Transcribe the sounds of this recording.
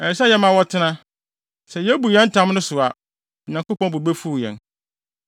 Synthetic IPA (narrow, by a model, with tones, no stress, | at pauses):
ɛ˨sa˦jɛ˦mã˨wɔ˦tʰɪ˦nã˦ | sɛ˨jɛ˦bu˨jɛ̃˦n̩˦tʰã˦mnʊ̃˦sʊ˨a˨ | ɔ˨ɲã˨ŋko˦pɔ̃˦bu˨be˦fu˦˨jɛ̰̃˨n